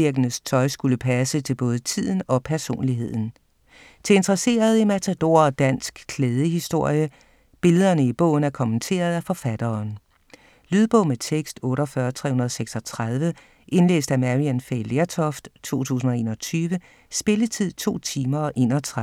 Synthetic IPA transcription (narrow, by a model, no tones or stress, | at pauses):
iɐɡ̥ənəst͡sʰɒ̽ɪsɡ̥uləpʰæsət͡sʰe̝lb̥ɔ̽ːð̞ˠət͡sʰið̰ˠn̩ɒ̽pʰæɐso̝̰ːnliɦe̝ð̞̰ˠn̩ | t͡sʰe̝e̝nd̥ʁɐse̝̰ːɐð̞ˠimæt͡sʰæd̥o̝̰ːɐɒ̽d̥æn̰sɡ̥kʰleːð̞ˠəhisd̥o̝ɐ̰jə | b̥e̝ləðˠɐnəib̥ɔ̰̽ʊ̰n̩æɐkʰɒ̽mənt͡sʰe̝̰ːɐð̞ˠæfɒ̽fæd̥ɐːn | lyðˠb̥ɔ̰̽met͡sʰeɡ̥sd̥ɔ̽ːɾɒfɶːɐt͡sʰʁɛ̰hunɐðˠseɡ̥sɒ̽t͡sʰʁaðˠʋə | ʔe̝nle̝̰ːsd̥æmæʁiænfeleɐt͡sʰɒfd̥t͡sʰo̝̰ːt͡sʰṵːs̬n̩ɒ̽e̝̰ːnɒ̽t͡sʰyːʋə | sb̥e̝lət͡sʰið̞̰ˠt͡sʰo̝̰ːt͡sʰiːmɐʔe̝̰ːnɒt͡sʰʁa